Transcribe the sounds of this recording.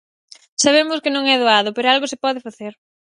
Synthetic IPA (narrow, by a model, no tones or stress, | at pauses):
saβ̞emʊskɪnõŋɛðoaðʊpeɾoalɣʊsɪpɔðɪfaθeɾ